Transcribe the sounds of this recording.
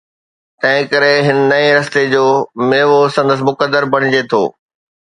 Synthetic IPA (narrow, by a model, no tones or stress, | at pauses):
t̪ɐ̃ɦɪ̃kɐɾeɦɪnɪ̆nɐeɾɐst̪ed͡ʑoːmeːʋosɐ̃nd̪əs̬ɪmʊkəd̪ːəɾbɐɽ̃ɪd͡ʑet̪ʰo̰ː